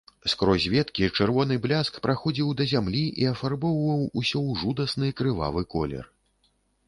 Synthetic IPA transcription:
skɾɔzʲvʲɛt̪kʲit͡ʂɨrvɔnɨblʲaskpɾʔaxɔd͡zʲiwd̪ɐzʲamlʲiʔiɐfarbɔwvɐwusʲɔwʐud̪ɐsnɨkɾɨva̰vɨkɔ̰lʲɛ̰r

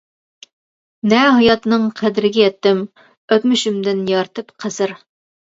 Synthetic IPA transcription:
nɛɦɑjɑt̪nɨŋqʰæd̪ɪɾɪɡʲɛjɛt̪ːɪm | øt̪myʃymd̪ɪnjɑɾt̪ʰɨpqʰəz̥ɨɾ

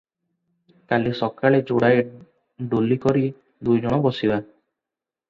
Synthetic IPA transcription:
kalisɔkaɭed͡ʒoɽaj | ɖolikɔɾi | d̪ujd͡ʒɔɽ̃ɔbɔsiba

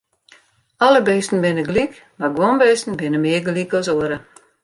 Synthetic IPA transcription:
aləbejstn̩bɪnəɡlik | maɡuənbejstn̩bɪnəmiəɡlikɔsuəɾə

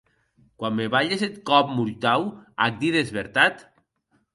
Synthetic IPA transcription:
kwamːeβaʎeset̪kɔp̚muɾt̪awa̰k̚d̪iðezβeɾt̪at̪

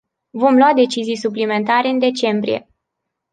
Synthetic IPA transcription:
vo̞mlwad̪e̞t͡ʃizijsuplime̞nt̪aɾe̞ɨnd̪e̞t͡ʃe̞mbɾḭje̞̰

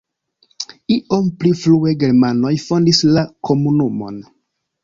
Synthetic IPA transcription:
iʔo̞mpliflue̞ɡe̞ɾmano̞jfo̞ndislakʰo̞munumo̞̰n

